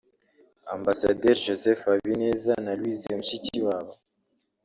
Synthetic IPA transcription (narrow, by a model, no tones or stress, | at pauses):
a̰mbasa̰deɾʒozefaβineːzanalwiziomuʃiciwaːβo